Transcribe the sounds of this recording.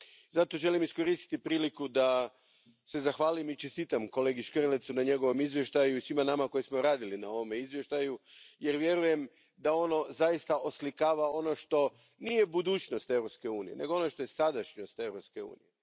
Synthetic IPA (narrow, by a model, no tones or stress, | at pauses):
zat̪o̞ʒe̞limisko̞ɾist̪i̥t̪ipɾiːlikud̪a | se̞zaxʋaːlimit͡ʃest̪iːt̪amko̞le̞ːɡiʃkrlet̪sunaɲe̞ɡo̞ʋo̞mizʋje̞ʃt̪ajuisʋimanamako̞jismo̞ɾaːd̪ilinao̞ʋo̞me̞izʋje̞ʃt̪ajuje̞ɾʋje̞ɾuje̞m | d̪ao̞no̞zaist̪aʔoslikaːʋao̞no̞ʃt̪o̞ | nije̞bud̪uːt͡ʃno̞st̪e̞ʋɾo̞pske̞uːnije̞ne̞ɡoono̞ʃt̪o̞je̞sad̪aʃɲost̪e̞ʋɾopske̞ṵːnḭje